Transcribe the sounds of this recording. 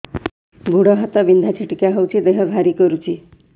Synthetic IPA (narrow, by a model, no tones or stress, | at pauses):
bʱuɽʌɦʌt̪ʌbind̪ʱat͡sʰiʈikaɦʌwt͡sʰid̪eɦʌbʱaɾikʌɾut͡sʰi